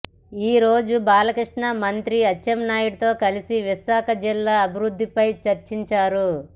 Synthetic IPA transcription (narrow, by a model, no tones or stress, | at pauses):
iːɾoːd͡ʒubaːlɐkɾiʂʈɳɐmɐnt̪ɾiɐt͡ʃːɐmnaːjuɽɐt̪o̞ːkɐlisiʋiʃaːkɐd͡ʒilːaɐbʱiɾud̪ʱːipɐjt͡ʃɐɾt͡ʃiɲt͡ʃaːɾu